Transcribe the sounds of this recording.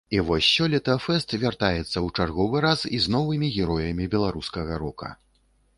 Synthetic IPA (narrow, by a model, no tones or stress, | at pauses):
ivɔsʲːɔlʲɛt̪ɐfɛst̪vʲart̪ajɛt̪sːɐwt͡ʂarɣɔvɨɾasiznɔvɨmʲiɣʲɛɾɔjɐmʲibʲɛlˠaɾuskɐɣɐɾɔkɐ̰